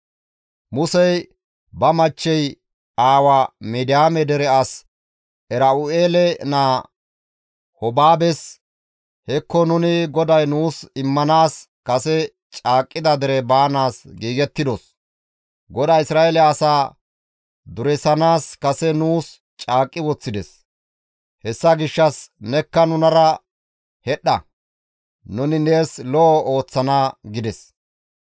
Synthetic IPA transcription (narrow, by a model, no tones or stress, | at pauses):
mʊsɛj | bɐmɐt͡ʃːɛj | aːwamɛd̪ɪjaːmɛd̪ɛɾɛɐs | ʔɛɾɐʊeːlɛnaː | hɔbaːbɛs | hɛkːɔnʊnɪɡɔd̪ɐjnuːsɪmːɐnaːs | kɐsɛ | t͡ʃʼaːkʼːɪd̪ɐd̪ɛɾɛbaːnaːsɡiːɡɛt̪ːɪd̪os | ɡɔd̪ɐjɪsɾaːelɛːsaː | d̪ʊɾɛsɐnaːskɐsɛnuːs | t͡ʃʼaːkʼːɪwɔt͡sːɪd̪ɛs | hɛsːɐɡɪʃːɐsnɛkːɐnʊnɐɾɐ | hɛɗːɐ̰ | nʊnɪne̞ːslɔʔɔo̞ːt͡sːɐnaɡɪd̪ɛs